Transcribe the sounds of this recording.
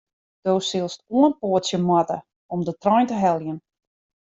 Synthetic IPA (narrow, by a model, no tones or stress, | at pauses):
d̥owsɪlˠstuənpoətsjəmatə̰ | ɔmdətrɔjntəɦɛlˠjən